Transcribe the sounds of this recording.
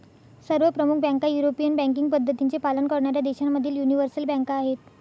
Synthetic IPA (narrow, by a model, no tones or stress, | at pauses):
səɾʋəpɾəmukʰbɛ̃ŋkajuɾopijənbæ̃ŋk̬iŋɡ̚pəd̪ʱːət̪int͡sepalənkəɾɳaɾjad̪eɕanmːəd̪ʱiːljuniʋəɾsəlbɛ̃ŋkaːɦet̪